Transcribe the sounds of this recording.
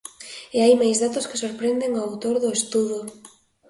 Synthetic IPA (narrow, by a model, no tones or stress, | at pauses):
ɪajmajzðat̪ʊskɪ̥soɾpɾend̪eŋoawt̪oɾðʊest̪uðʊ